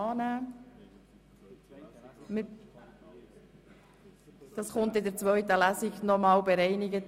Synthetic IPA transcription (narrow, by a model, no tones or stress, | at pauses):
ɑːnæː | mɪ | d̥ɑsχʊntɪdəɾt͡sʋœɥtəlæzɪɡnɔmɑːlwbeɾɛɪnɪɡət